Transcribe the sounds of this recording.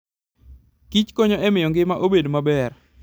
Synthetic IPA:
kit͡ʃkoɲoɛmɪjɔŋɡɪmaʔobedomabɛr

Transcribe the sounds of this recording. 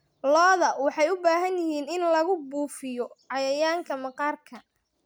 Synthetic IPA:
lɔːðɐwɑħɑjʊbaːɦɐnjɪhiːnɪnlɐɣʊbuːfɪjɔʕɑjɐjaːŋkʰɐmɐqɑːrkʰɐ

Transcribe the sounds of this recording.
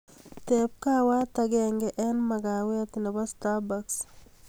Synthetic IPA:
t̪ep̚kawat̪aɡɛŋɡɛʔɛnmaɡawet̪nebast̪abaks

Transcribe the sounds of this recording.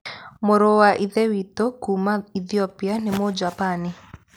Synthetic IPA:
moɾowaʔiðewitokumaiðiɔpianɪmod͡ʒapanɪ

